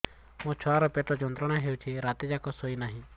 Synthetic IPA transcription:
mõt͡ʃʰɔaɾɔpeʈɔd͡ʒɔnt̪ɾɔɽ̃aɦeut͡ʃʰiɾat̪ed͡ʒakɔsoinaɦĩ

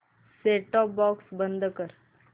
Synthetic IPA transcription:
seːʈɔːpbɔːksbə̃nd̪kəɾ

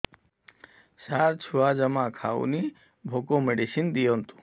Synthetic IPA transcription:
saɾt͡ɕʰuad͡ʒəmãkʰa̰ṵni | bʱokomeɖisind̪ijont̪u̥

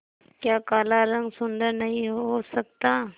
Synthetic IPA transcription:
kjaːkaːlaɾɐ̃ŋɡsʊnd̪əɾnɐɦĩɦɦosɐk̚t̪aː

